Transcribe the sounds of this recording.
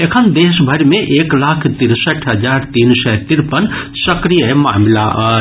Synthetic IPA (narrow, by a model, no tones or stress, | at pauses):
ekʰənd̪eːʃbʱɐɾmẽʔeːklaːkʰt̪ɪɾsəʈʰɦɐd͡ʒaːɾt̪iːnsɛːt̪ɪɾpən | sɐkɾijəema̰ːmlaʔː